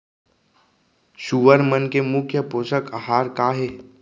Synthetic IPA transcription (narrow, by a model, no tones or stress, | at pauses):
ʃuʋəɾmənkemʊkʰjəpoːʃəkaɦaːɾkaːɦeː